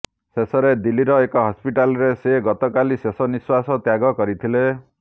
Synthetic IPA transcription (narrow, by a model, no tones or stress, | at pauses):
sesɔɾed̪iliɾɔekɔɦɔspiʈalɔɾeseɡɔt̪ɔkalisesɔniswasɔt̪jaɡɔkɔɾit̪ʰile